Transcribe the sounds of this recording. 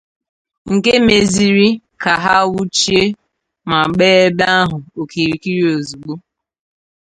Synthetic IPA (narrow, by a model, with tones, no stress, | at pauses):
ŋ̩˨ke˦me˨zi˦ɾi˦ | ka˨ɦa˦wu˦t͡ʃi˦e˦ | ma˨ɡ͡beː˦e˦ba˦a˦ɦʊ˨o˨ki˨ɾi˨ki˦ɾi˦o˨zu˨ɡ͡bo˦